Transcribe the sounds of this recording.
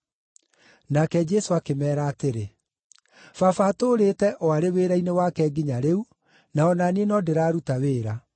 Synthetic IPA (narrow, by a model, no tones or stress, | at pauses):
nakɛd͡ʒɛsoakemɛːɾaːteɾe | fafatoːɾetɛʔɔaɾeweːɾainewaːkɛɡiɲaɾeu | naɔnaneenɔdeɾaːɾutaweːɾa